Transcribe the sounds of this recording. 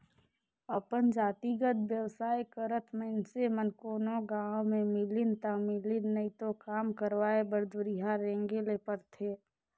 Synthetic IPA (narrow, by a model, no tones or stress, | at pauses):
əpənd͡ʒaːt̪iɡəd̪̚bjəwsaːjkəɾət̪ʰməɪnsemənkoːnoɡãːwmẽmɪlɪnt̪amɪlɪnːəit̪okaːmkəɾʋaːebəɾd̪ʊɾiɦaɾẽːŋɡelepəɾt̪ʰeː